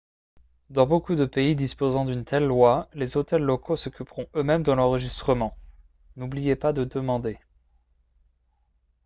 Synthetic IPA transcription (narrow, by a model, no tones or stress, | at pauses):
d̪ɑ̃bokud̪əpeid̪ispozɑ̃d̪ynt̪ɛlːwalezot̪ɛlːɔkʰosɔkʲypʁɔ̃ømɛmd̪əlɑ̃ʁəʒist̪χəmɑ̃ | nublijepad̪əd̪əmɑ̃d̪e